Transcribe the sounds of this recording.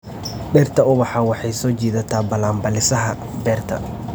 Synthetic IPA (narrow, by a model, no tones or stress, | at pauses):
bɛːrt̪ʰɐʊβɑħɑːwɑħɑjsɔːt͡ʃiːðɐt̪ʰaːbɐlaːmbɐlɪsɐɦɐ | bɛːrt̪ʰɐ̰